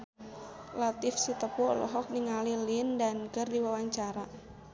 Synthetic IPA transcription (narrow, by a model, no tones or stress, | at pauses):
lat̪ɪfsit̪əpulɔ̰ɦɔk̚niŋalilindankərdiwawaɲt͡ʃaɾa